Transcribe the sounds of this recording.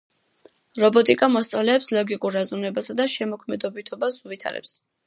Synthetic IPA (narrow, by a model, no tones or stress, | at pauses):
ɾɔbɔt̪ʼikʼamɔst̪sʼavlɛːpslɔɡikʼuɾːazunɛbasad̪aʃɛmɔkʰmɛd̪ɔbit̪ʰɔbasuvit̪ʰa̰ɾɛ̰ps